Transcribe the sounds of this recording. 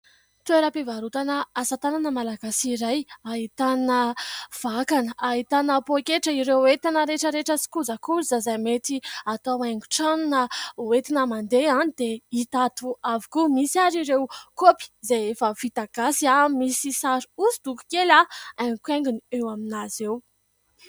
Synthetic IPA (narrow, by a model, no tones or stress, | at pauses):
t̪ueɾəpevaɾut̪anəasat̪ananəmalaɡasiɾajait̪anəv̥akanəaɦit̪anəpokeʈ͡ʂəiɾewet̪anəɾeʈ͡ʂəɾeʈ͡ʂəsi̥kuzəkuɾzazajmet̪iat̪aajŋɡu̥ʈ͡ʂanunəet̪inəmand̪eanid̪̥eit̪at̪uavi̥kumisiaɾiɾewkopi̥zeefəfit̪aɡ̥asiamisisaɾuuzid̪uku̥kelaaŋkweŋɡuniewaminazew